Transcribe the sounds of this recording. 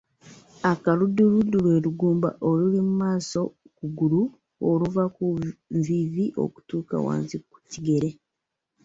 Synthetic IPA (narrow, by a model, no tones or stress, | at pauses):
akaludːuludːulwe̞ːɾuɡuːmba̰ʔolulimumaːso̞ | kuɡulu | oluvakuɱziːziʔo̞̰ku̥tuːka̰wa̰ːnziku̥ciɡe̞ɾe̞